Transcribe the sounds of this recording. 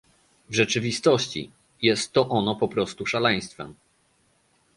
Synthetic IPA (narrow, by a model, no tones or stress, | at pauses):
vʐɛt͡ʂɘvʲist̪ɔɕt͡ɕḭ | jɛst̪ːɔʔɔnɔpɔpɾɔst̪uʂalɛj̃st̪fɛ̰m